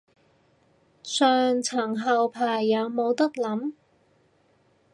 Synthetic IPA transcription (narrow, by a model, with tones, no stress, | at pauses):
sœː˨ŋt͡sʰɐ˨˩ŋɦɐ˨wpʰaː˨˩jːɐ˨˧wmo˨˧wt̪ɐ˥k̚lɐ˨˥m